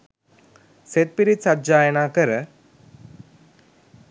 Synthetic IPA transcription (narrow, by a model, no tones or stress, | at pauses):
set̪̚piɾit͡sɐt̪̚d͡ʒajnakəɾə